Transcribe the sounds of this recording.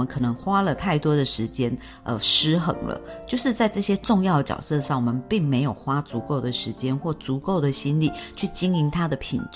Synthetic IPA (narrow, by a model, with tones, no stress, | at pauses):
mə˦nkʰɤ˨˩nɤ˧˦ŋxwa˥lə˨t̪ʰa˥˩ɪt̪wɔ˥d̪ə˨ʂɻ̩˧˥t͡ɕjɛ˥n | ʔə̰˨˩ʂɻ̩˥xɤ̰˧˥ŋlə̰˧t͡ɕjo˥˧ʊʂɻ̩˥˧t͡sa˥˧ɪʈ͡ʂɤ˥˩ɕjɛ˦˥ʈ͡ʂʊ˥˧ŋjɑ˥˩ʊd̪ə˩t͡ɕjɑ̰˨˩ʊsɤ˥˧ʂɑ˥˩ŋwɔ˨˩mə˨˦npi˥˩ŋme˧˥ɪjo˨˩ʊxwa˥t͡su˧˥ko˥˩ʊd̪ə˩ʂɻ̩˧˥t͡ɕjɛ˥nxwɔ˥˩t͡su˧˥ko˥˩ʊd̪ə˩ɕi˥nli˥˩t͡ɕʰy˥˩t͡ɕi˥ŋi˧˥nt̪ʰa˥d̪ə˨pʰḭ˨˩nʈ͡ʂ